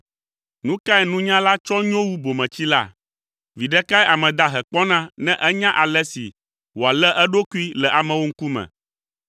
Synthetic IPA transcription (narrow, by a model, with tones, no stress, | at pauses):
nũ˦ka˦ɛ˨nũ˦ɲã˦la˦t͡ʃɔ˦ɲõ˦wu˦bo˨mɛ̃˨t͡ɕi˦la̰˦ | vi˨ɖɛ˦ka˦ɛ˦ʔa˨mɛ̃˨d̪a˨ɦɛ˨k͡pɔ˦nã˦nɛ̃˦ʔɛ˦ɲã˦ʔa˨lɛ˦sḭ˨ | wo˨a˨lɛ˦ʔɛ˦ɖo˦ku˦i˦lɛ˨ʔa˨mɛ̃˨wo˦ŋ̩˦ku˦mɛ̰̃˨